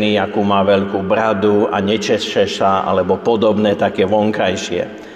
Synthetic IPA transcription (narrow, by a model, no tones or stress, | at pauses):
niakuːmaːʋɛʎkuːbɾad̪ua̰ɲɛt͡ʃɛʃɛʃaa̰lɛbɔpɔd̪ɔbnɛːt̪aɡjɛʋɔŋkajʃɪɛ̰